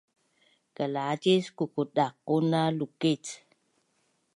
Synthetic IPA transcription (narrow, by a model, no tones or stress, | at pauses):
kəlad͡ʒeskukuɗakːunaluket